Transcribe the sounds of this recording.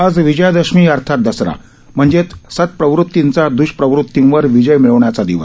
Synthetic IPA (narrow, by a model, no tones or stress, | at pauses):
ad͡zʋid͡ʑəjd̪əɕmiːəɾt̪ʰat̪̚d̪əsɾa̰ | m̤əɳd͡zet̪sət̪̚pɾəʋɾut̪ːint͡sad̪uɕpɾəʋɾut̪ːinʋəɾʋid͡ʑəjmiɭəʋɳjat͡sad̪iʋə̰